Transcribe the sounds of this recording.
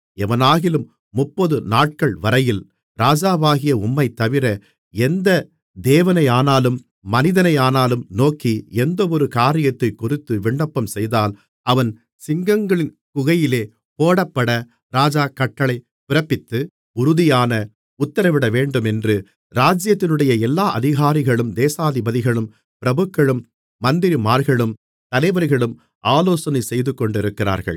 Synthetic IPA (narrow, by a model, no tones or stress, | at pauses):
ɛʋɐnaːɣɪlɯmː | ʊpːɔðɯnaːʈ̚kɐɭʋɐɾɐjɪl | ɾaːd͡ʒaːʋaːɣɪjɐʊmːɐɪt̪ːɐʋɪɾɐ | ɛnd̪ɐ | d̪eːʋɐnɐɪaːnaːlɯmː | ɐnɪðɐnɐɪaːnaːlɯmnoːkːiɛnd̪ɐɔɾɯkaːɾɪjɐt̪ːɐɪkʊrɪt̪ːɯʋɪɳɖɐpːɐmsɛjðaːl | ɐʋɐn | sɪŋɡɐŋɡɐɭɪn | kʊɣɐjɪleː | poːɽɐpːɐɽɐ | ɾaːd͡ʒaːkːɐʈːɐɭɐɪ | pɪɾɐpːɪt̪ːɯ | ʊɾʊðɪjaːnɐ | ʊt̪ːɐɾɐʋɪɽɐʋeːɳɖɯmɛndrɯ | ɾaːd͡ʒjɐt̪ːɪnɯɽɐjɐɛlːaːʔɐðɪɣaːɾɪɣɐɭɯmd̪eːsaːðɪbɐðɪɣɐɭɯm | pɪɾɐbɯkːɐɭɯmː | ɐnd̪ɪɾimaːɾɣɐɭɯm | t̪ɐlɐɪʋɐɾɣɐɭɯm | ʔaːloːsɐnɐɪsɛjðɯkːɔɳɖɪɾɯkːɪɾa̰ːɾɣɐ̰ɭ